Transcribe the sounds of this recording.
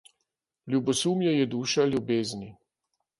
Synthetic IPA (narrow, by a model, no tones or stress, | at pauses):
lʲjubɔsuːmjɛjɛd̪uːʃalʲjubeːzni